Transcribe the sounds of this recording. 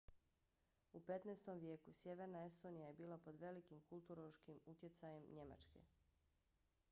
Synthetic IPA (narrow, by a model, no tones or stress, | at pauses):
upe̞t̪nest̪o̞mʋje̞ːkusje̞ʋe̞ɾnae̞st̪o̞nijaje̞biːlˠapo̞d̪ʋe̞likimkulˠt̪uɾoʃkimut̪je̞t̪saje̞mɲe̞ma̰t͡ʃkḛ